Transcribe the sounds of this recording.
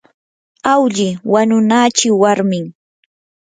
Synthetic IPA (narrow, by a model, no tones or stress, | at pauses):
awʎɪwanʊnaːt͡ʃɪwaɾmɪŋ